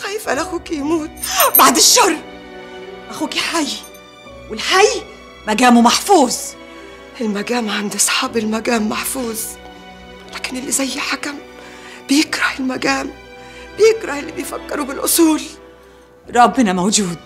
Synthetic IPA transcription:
xæjɪfʔænʔæxuːkijmuːt̪̚baʕd̪ɪʃːɑɾˤ | ʔæxuːkiħaj | wɪlħaj | mæɡæːmumaħfuːz | ʔɪlmæɡæːmʕand̪isˤħɑːbɪlmæɡæːmːaħfuːz | læːkɪnʔɪlːizæjːħakæmb̥ɪjɪkɾɑhɪlmæɡæːmb̥ɪjɪkɾˤɑhɪlːibejfækːɪɾubɪlʔʊsˤuːl | ɾˤɑbːɪnæmowd͡ʒuːd̪̚

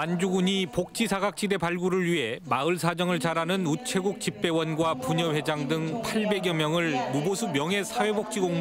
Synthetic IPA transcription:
and͡ʑuɡuɲipok̚t͡ɕ͈isʰaɡak̚t͡ɕ͈ide̞paɭɡuɾɯɭɥiɦe̞maɯɭsʰad͡ʑʌŋɯɭt͡ɕaɾanɯnut͡ɕʰe̞ɡuk̚t͡ɕip͈e̞wʌnɡwapuɲʌɸe̞d͡ʑaŋdɯŋpʰaɭbe̞ɡjʌmjʌŋɯɭmubosʰumjʌŋe̞sʰawe̞bok̚t͡ɕ͈iɡoŋm

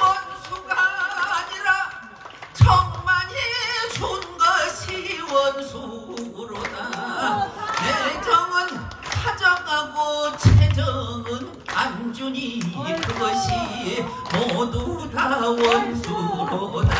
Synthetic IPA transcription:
wʌnsʰuɡaːɲiɾa | t͡ɕʌŋmaɲet͡ɕonɡʌɕʰiwʌnsʰuɾoda | ted͡ʑʌŋɯn | sʰad͡ʑʌŋɦaɡot͡ɕʰed͡ʑʌŋɯn | and͡ʑuɲikɯɡʌɕʰie | modutawʌnsʰuɾoda

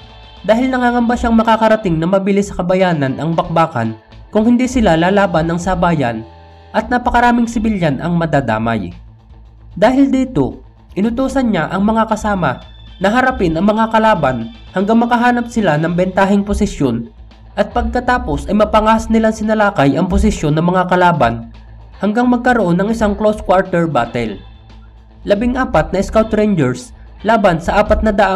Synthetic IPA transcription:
d̪aːhɪlnɐŋaːŋɐmbaʃaŋmɐkakɐɾɐt̪ɪŋnɐmɐbilɪsɐ̥kɐbɐjaːnɐnʔɐŋbɐk̚baːkɐ̰n | kʊŋhɪnd̪isɪlalaːlaːbɐnːɐŋsɐbaːjɐ̰n | ʔɐt̪̚nɐpɐkɐɾaːmɪŋsɪbɪljanʔɐ̰ŋmɐd̪aːd̪a̰ːmɐ̰j | d̪aːhɪld̪iːt̪o̞̰ | ʔɪnʊt̪uːsɐnɲaʔɐŋmɐŋakɐsaːmɐnɐɦɐɾɐpɪnɐŋmɐŋakɐlaːbɐn | hɐŋɡaŋmɐkɐɦaːnɐpsɪlanɐŋbɛnt̪aːɦɪŋpʊsɪsjo̞n | ʔɐt̪̚pɐɡ̚kɐt̪aːposɐjmɐpɐŋaːsnɪlaŋsɪnɐlaːkɐjʔɐŋp̬ʊs̬ɪʃjo̞nːɐŋmɐŋakɐlaːbɐn | hɐŋɡaŋmɐɡ̚kɐɾoʔo̞nːɐŋɪsaŋkloskwaɹt̪ɛɹbaːt̪ɛl | lɐbɪŋʔaːpɐt̪̚nɐɪskawt̪ɾɛjnd͡ʒɛɹs | laːbɐnsɐʔaːpɐt̪̚nɐd̪ɐʔa

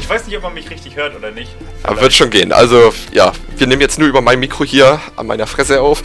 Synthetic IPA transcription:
ʔɪçv̥aɪsnɪçtɔp̚manmɪçʁɪçtɪçhøːɐtʔoːdɐnɪçt | da̰ːvvɪɐtʃoːnɡḛːənʔa̰lzoja̰ːviːɐneːmənjɛt͡stnuɐyːbɐmaɪnmiːkʁ̥ohiːɐʔa̰nma̰ɪnɐfʁ̥ɛs̬əaʊf

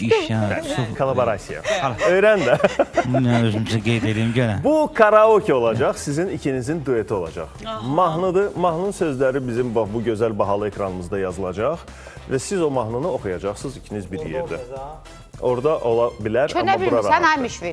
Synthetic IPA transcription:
iʃukʰolˠabo̞ɾasija̰ø̞jɾænd̪ænæøzymziɡejd̪ed̪iːmɟøɾæbukʰɑɾaocʰo̞lˠɑd͡ʒɑχsizinicʰinizind̪ue̞t̪ʰio̞lˠɑ̰d͡ʒɑ̰χmɑɦnɯd̪ɯmɑɦnˠɯnsø̞zlæɾibizimbbuɟø̞zælʲbɑɦɑlˠɯekɾɑnɯmɯzd̪ɑjɑzɯlˠɑd͡ʒɑχ | væsizo̞mɑɦnɯnɯo̞χujɑd͡ʒɑχsɯzicʰinizbiɾjḛɾd̪æ | o̞ɾd̪ɑʔo̞lˠɑbilæɾɑnæɑbuɾɑɾɑænɑjmiʃvi

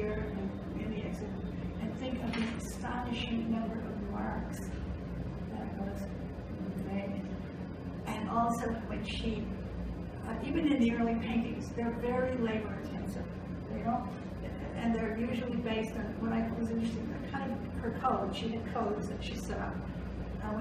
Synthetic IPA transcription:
iɹɨ̃nɨ̃ | ɪ̃nˠiɛksɨ | ɨ̃nθɪ̃ŋkʌvðiɨstɑnɨʃɪ̃ŋnʌ̃mbə˞ʔʌvðəmɑɹks | ðɨɾ̚wʌz | tʰɨdeɪ̃ | ʔɨ̃nʔɔlˠsoʊwɨ̃nʃi | ʔivɨ̃nɨ̃nðiɜ˞lˠipʰẽɪ̃ntɪ̰̃ŋzðə˞vɛɹileɪbə˞ɨ̃tʰɛ̃ntɨ | no | ɨ̃nðə˞jʉʒl̩ˠibeɪstn̩wə̃naɪwʌzɪ̃nt͡ʃɹ̥ɨstɪ̃ŋðɨ̰kʰãɪ̃ndʌv | hə˞kʰoʊd̥ʃiɨd̚kʰoʊdzðɨtʃisɛɾʌ̰p̚

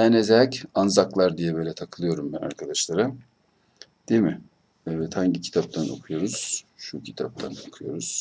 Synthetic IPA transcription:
ænezɛcanzaklˠaɾd̪ijɛbøːlʲɛt̪ʰakʰɯlˠɯjo̞ɾumbæna̰ɾkʰad̪aʃlˠaɾa | d̪̥emɪ | ɛvɛt̪haɲcicʰi̥t̪ʰap̚t̪ʰanʔo̞̰kʰujo̞ɾuz̥ʃucʰit̪ʰap̚t̪ʰa̰no̞kʰujo̞̰ɾuz̥

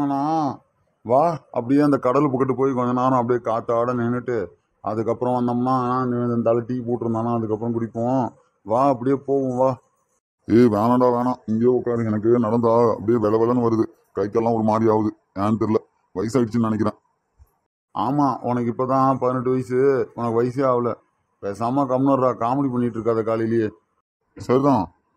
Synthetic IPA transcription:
ɐnãː | ʋaːɐ̰pːɐɽɪjeːɐnd̪ɐkɐɽɐlpʊkːɐʈ̬ːɯpoːjikɔɲd͡ʒɐnaːɾɐ̃ɐp̬ːɐɽɪjeːkaːt̪ːaːɽɐnɛnːɯʈːɯ | ɐðɯkːɐpːɯɾɔ̃ʋɐnd̪ɐmɐnːãːeːnãːɪnd̪ɐʋend̪ɐnt̪ɐlɐʈːipoːʈːɯɾɯnd̪aːnãːɐðɯkːɐpːɐɾɐ̃kʊɽɪpːõː | ʋaːɐp̬ːɐɽɪjeːpoːʋʊ̃ʋaː | eːʋeːlɐɳɖaːʋeːnãːɪŋɡejoːɔkːaːɾɯɛnɐk̬ːɯnɐɽɐnd̪aːɐ̰pːɐɽɪjeːʋɛlɐʋɛlɐnɯʋɐɾɯðɯ | kɐɪkːɛlːãːɔɾɯmaːd̪ɾiaːʋɯðɯ | eːnt̪ɪɾlɐ | ʋɐjsaːɪʈɯt͡ʃːɯnnɐnɛkːɪɾẽː | aːmaːʔɔnɐk̬ːɪpːoːt̪ãːpɐðɪnɛʈːɯʋɐjɐsɯɔnɐkːɯʋɐjsɐjaːʋɐlɐ | peːsaːmaːkɐmnɐɾɾãːkaːmɐɽipɐnːɪʈːɾɯkːaːðɐkaːlɪlɪjeː | sɐɾit̪ãː

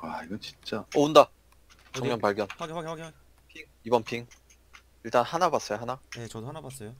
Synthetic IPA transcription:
aiɡʌt͡ɕi̥nt͡ɕ͈aunda | t͡ɕʌŋmjʌnpaɭɡjʌn | pʰiŋibʌnpʰiŋ | iɭt͈anhanabas͈ʌjoɦanajet͡ɕʌdoanabas͈ʌjo

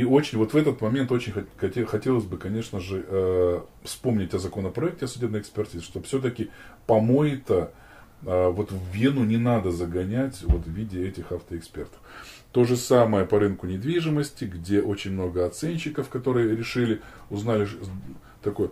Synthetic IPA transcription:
io̞t͡ɕɪnʲvo̞t̪vɛt̪ət̪mɐmʲe̞nt̪ot͡ɕɪnʲxɐxɐtʲexɐtʲelˠəsʲbɨkɐnʲe̞ʂnəʐɨʔə | fspo̞mnʲɪtʲɐzɐko̞nəpɾɐɛk̚tʲɪɐsʊdʲe̞bnəjɪkspʲɪrtʲizɨʂt̪o̞fsʲot̪əkʲɪpɐmo̞jɪt̪ə | əvo̞t̪vvʲenʊnʲɪnad̪əzəɡɐnʲætʲvo̞t̪vvʲidʲɪɛtʲɪxaft̪əɪkspʲe̞rt̪ə̥ft̪o̞ʐɨsaməjəpɐɾɨnkʊnʲɪd̪vʲiʐɨməsʲtʲɪɡdʲe̞ʔo̞t͡ɕɪnʲmno̞ɡəɐt̪sɛnʲɕːɪkəfkɐt̪o̞ɾɨjəɾʲɪʂɨlʲɪʊznalʲɪ | t̪ɐko̞j

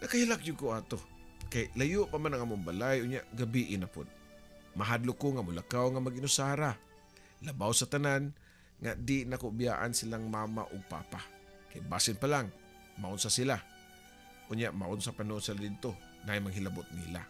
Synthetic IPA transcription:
nɐkahilakjʊd̚koaːt̪okajlajʊʔpamanaŋʔamʊŋbalajʔʊnjaʔɡabiʔɪnapʊ̰d̪̚ | mɐɦad̪lokoŋamʊlakawŋamaɡɪnʊsaːɾa | labawsat̪anan | ŋad̪ɪnakobja̰ːʔa̰nsɪlaŋmaːma̰ʔʊɡ̚pa̰ːpa | kajbaːsɪnpalaŋ | maʔʊnsasɪla | ʔʊnjaʔmaʔʊnsapanonsalad̪ɪd̪̚t̪o | naajmaŋɦɪlabʊt̪̚nḭːla̰

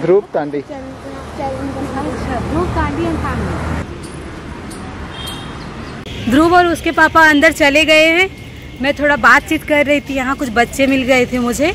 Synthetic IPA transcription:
d̪ɾuːb̚t̪ãːɳɖi | d̪ɾuːbt̪ãːɳɖiɐ̃ntʰãːŋɖi | d̪ɾuːbɔːɾʊskepaːpaɐ̃nd̪əɾt͡ʃɐleɡɐeɦɛ̃ː | mɛ̃ːt̪ʰoːɽabaːt̪̚t͡ʃiːt̪kɐɾːɐɦit̪ʰijɐɦãkʊt͡ʃʰbɐtːʃemɪlɡɐet̪ʰemʊd͡ʒʱeː

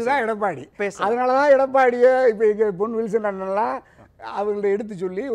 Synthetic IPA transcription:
t̪ãːɪɽɐpːaːɽipeːsɐðɐnaːlɐt̪ãːɪɛɽɐp̬ːaːɽɪjeɪpːɐɪɡɐpɔnʋɪls̬ɐnɐnɐŋlãː | ɐʋɐŋɡɽɐɛɽɯt̪̬ːɯt͡ʃɔlːi

